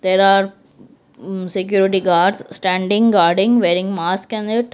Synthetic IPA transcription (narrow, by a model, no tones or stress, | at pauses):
d̪̥eːɾaːɾ | sekjuːɾɪʈiɡaːɖsːʈæ̃ːɳɖɪ̃ŋɡaːɾɖɪ̃ŋʋeːɾɪ̃ŋɡmaːskɛ̃nɪʈ